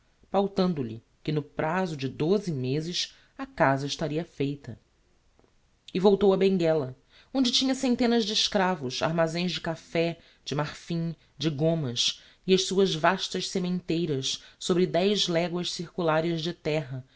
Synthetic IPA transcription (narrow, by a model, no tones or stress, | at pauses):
fawt̪ɐ̃nd̪ʊʎɪ̰ | kɪnʊpɾʔazʊd͡ʒɪd̪ozɪmezɪʃ | ɐkazɐɪʃt̪aɾiɐfejt̪ɐ̰ | ɪvowt̪owɐbẽŋɡɛlɐ | õnd͡ʒɪt͡ʃĩɲɐsẽnt̪ẽnɐzd͡ʒɪːʃkɾavʊʃa̰ɾmazẽj̃zd͡ʒɪkafɛ | d͡ʒɪmaχfĩ | d͡ʒɪɡõmɐs | iɐʃsuɐzvaʃt̪ɐʃsemẽnt̪ejɾɐssobɾɪd̪ɛjʒlɛɡwɐʃsiɾkulaɾiɐʒd͡ʒɪt̪ɛɦɐ